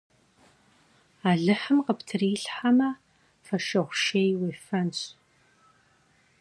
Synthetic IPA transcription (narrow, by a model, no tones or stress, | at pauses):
aːɮɨħəmqəptʰɨriːɬħamɐ | fɐʃɐʁʷʃeːjweːfɐnɕʼ